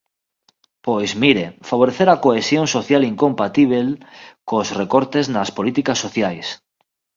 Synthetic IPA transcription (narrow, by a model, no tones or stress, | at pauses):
pojzmiɾefaβ̞oɾeθeɾakoesjoŋsoθjaliŋkõmpat̪iβ̞elkosrekoɾt̪eznaspolit̪ikasːoθjajs